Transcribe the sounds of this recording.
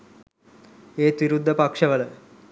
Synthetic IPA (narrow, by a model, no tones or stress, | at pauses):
eːt̪ʋiɾud̪ʱːəpɐkʂəʋələ